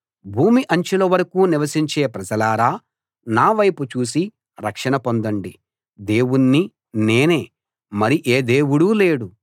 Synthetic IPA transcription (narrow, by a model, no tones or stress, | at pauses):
bʱuːmiʔɐɲt͡ʃulɐʋɐɾɐkuːniʋɐsiɲt͡ʃe̞ːpɾɐd͡ʒɐlaːɾaː | naːʋɐjput͡ʃuːs̬i | ɾɐkʂɐɳɐpond̪ɐɳɖi | d̪e̞ːwunːi | ne̞ːne̞ː | mɐɾiʔeːd̪e̞ːwuɽuːle̞ːɽu